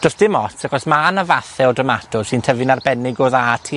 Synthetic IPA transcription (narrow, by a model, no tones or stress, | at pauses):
d̥ɔsd̥ɪmɔtʰakɔsmanavaθɛɔdəmatʰʊr̥sɨntʰəvɨnarbɛnɪɡoːðatʰi